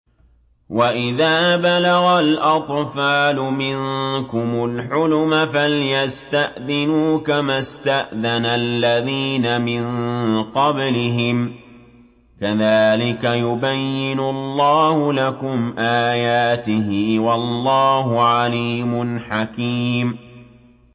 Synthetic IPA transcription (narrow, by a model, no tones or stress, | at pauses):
waʔɪðaːbalaɣalʔɑt̪ˤfaːlʊmɪnkʊmʊlħʊlʊmafaljast̪aʔðɪnuːkamast̪aʔðanalːaðiːnamɪnqɑblɪɦɪm | kaðaːlɪkajʊbajːɪnʊlˤːɑːhʊlakʊmʔaːjaːt̪ɪɦɪwɑlːɑːhʊʕaliːmʊnħakiːm